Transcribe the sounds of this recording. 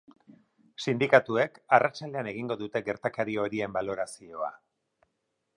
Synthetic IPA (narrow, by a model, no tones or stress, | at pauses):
sind̪ikat̪ue̞karat͡ʃald̪e̞ane̞ɣiŋɡo̞ðut̪e̞ɣe̞ɾt̪akaɾio̞ɾie̞mbalo̞ɾasio̞a̰